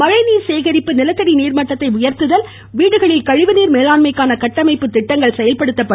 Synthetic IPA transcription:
mɐɻɐɪniːɾseːɣɐɾɪpːɯnɪlɐt̪ːɐɽiniːɾmɐʈːɐt̪ːɐɪʊjɐɾt̪ɯðɐl | ʋiːɽɯɣɐɭɪlkɐɻɪʋɯniːɾmeːlaːnmɐɪkːaːnɐkɐʈːɐmɐɪpːɯt̪ːɪʈːɐŋɡɐɭsɛjɐlpɐɽɯt̪ːɐpːɐ

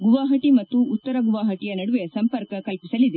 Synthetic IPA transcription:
ɡuʋaːɦɐʈimɐt̪ːuːt̪ːɐɾɐɡuʋaːɦɐʈijɐnɐɽuʋe̞sɐmpɐɾkɐkɐjpisɐlid̪e

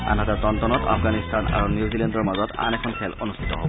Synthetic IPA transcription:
a̰nɦatɛtɔntɔnɔta̰fɡanistʰana̰ɹunjuzilɛndɔɹmazɔta̰nɛkʰɔnpʰɛlonustʰi̥tɔɦobɔ

